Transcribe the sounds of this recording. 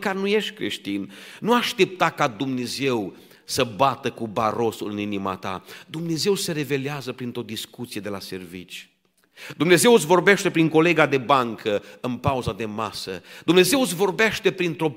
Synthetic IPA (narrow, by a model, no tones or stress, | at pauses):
karnuje̞ʃt̪ʲkɾḛʃt̪inːuaʃt̪e̞p̚t̪akad̪umne̞ze̞w | səbat̪əkubaɾo̞sulɨninima̰t̪a̰d̪umne̞ze̞wse̞ɾe̞ve̞leazəpɾint̪ɾo̞d̪iskut̪sije̞d̪e̞lase̞rvit͡ʃʲ | d̪umne̞ze̞wt̪sʲvo̞rbeʃt̪e̞pɾiŋko̞le̞ɡad̪e̞baŋkʰəɨnpauzad̪e̞masə̰d̪umne̞ze̞wt̪s̬vo̞rbe̞ʃt̪e̞pɾint̪ɾo̞